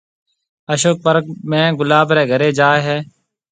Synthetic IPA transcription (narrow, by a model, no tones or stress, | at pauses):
əʃoːk̚pəɾkmɛ̃ːɡʊlaːbɾɛːɡʱəɾeːd͡ʒaːɦɛː